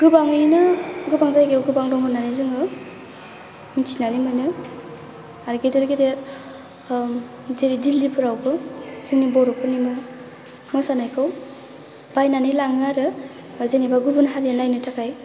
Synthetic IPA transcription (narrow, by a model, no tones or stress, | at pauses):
ɡ̥ɯbaŋɯjnɯɡɯbaŋzajɡewɡɯbaŋdɔŋhɯnːanizɯŋɯ | misʰinanimɯnɯ | aɾɡedɯɾɡedeɾ | zeɾidilːipʰɯɾawbɯz̥ɯŋnibɔɾɔpʰɯnimɯ | mɔsanajkʰɯw | b̥ajnanilaŋɯaɾɯ | zenibaɡubunɦaɾijanajnɯtʰakʰaj